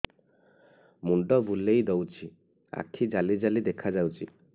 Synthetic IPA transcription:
muɳɖɔbulejd̪ɔwt͡ʃʰi | a̰kʰid͡ʒalid͡ʒalid̪ekʰad͡ʒawt͡ʃʰi

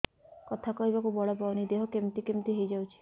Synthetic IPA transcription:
kɔt̪ʰakɔɦibakubɔɭapawnid̪eɦokemt̪ikemt̪iɦejd͡ʒawt͡ʃʰi̥

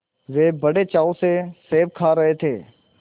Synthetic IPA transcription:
ʋeːbɐɽet͡ʃaːoseseːʋkʰaːɾɐɦet̪ʰeː

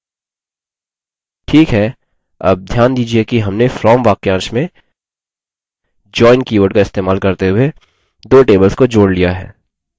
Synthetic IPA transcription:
ʈʰiːkɦɛː | ɐ̰b̚d̪ʱjaːnd̪iːd͡ʒiekiɦɐmnefɾɔːmʋaːkeãːʃmẽ | d͡ʒɔːɪnkiːʋəːɾɖkaɪst̪eːmaːlkɐɾt̪eɦʊe | d̪oːʈeːbəlskod͡ʒoːɽlijaɦɛ̰ː

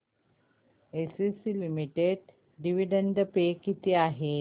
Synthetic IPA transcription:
esisilimiʈeɽ | ɖiʋiɖəɳɖ̪əpekit̪iːaɦe

